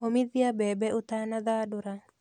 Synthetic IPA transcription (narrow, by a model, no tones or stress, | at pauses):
omɪðjabɛbɛʊt̪anaðadʊɾa